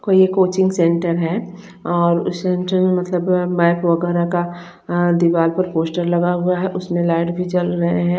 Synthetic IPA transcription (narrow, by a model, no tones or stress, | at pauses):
koːiekoːt͡ʃɪ̃ŋɡsẽɳʈəɾɦɛ | ɔːɾʊsẽɳʈəɾmẽmɐt̪ləbmapʋɐɡɛːɾaka | d̪iʋaːlpɐɾpoːsʈəɾlɐɡaɦʊaɦɛʔʊsmẽlaːɪʈbʱit͡ʃɐlɾɐɦeɦɛ̃